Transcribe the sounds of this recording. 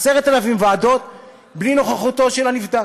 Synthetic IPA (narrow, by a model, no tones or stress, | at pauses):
seʁet̪alavimvaːd̪o̞t̪̚ | blino̞χaχut̪o̞ʃelanivd̪a